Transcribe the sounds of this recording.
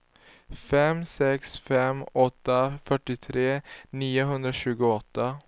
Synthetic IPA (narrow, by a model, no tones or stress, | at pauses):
fɛmsɛksfɛmɔt̪ːafœʈːɪt̪ʰɾeːniːʊɦɵnd̪ɾaɕʉ̟ːɡʊɔt̪ːa